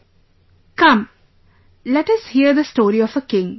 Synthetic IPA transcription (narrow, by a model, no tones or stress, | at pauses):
kʌ̃m | lɛʈʌshiəd̪əsʈoːɾiɔfəkɪ̃ŋ